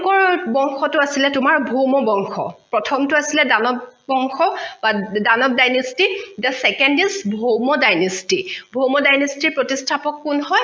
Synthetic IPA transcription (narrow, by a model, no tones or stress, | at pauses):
kɔɹbɔŋxɔtʊasilɛtʊmaɹbʱowmɔbɔŋxʰɔ̰pɹɔtʰɔmtʊasilɛdanɔbɔŋxɔbadanɔb̚dajnɔstidasɛkɛndisbʱowmɔdajnɔstibʱowmɔdajnɔstiɹpɹɔtistʰapɔkːunɦɔj